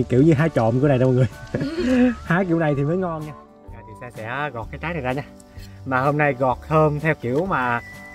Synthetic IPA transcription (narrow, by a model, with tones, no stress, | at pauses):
ki˧˩əwɲɨ˧ɦaː˨˦jt͡ɕɔ̰˧˨mka˨˩jɗm˨˩ŋɨ˨˩əj | haː˨˦ki˧˥əwna˨˩jt̪ʰi˨˩məː˨˦jŋɔ˧nɲaː˧˨˩aː˧˩t̪ʰi˨˩sɛ˧sɛ̰˧˥ɣɔ˨˩t̚kaː˨˦jt͡ɕaː˨˦jnaː˨˩jzaː˧ɲaː˧ | maː˨˩ho˧mna˧jɣɔ˨˩t̚hʰəː˧mt̪ʰɛ˧wki˧˨əwmaː˨˩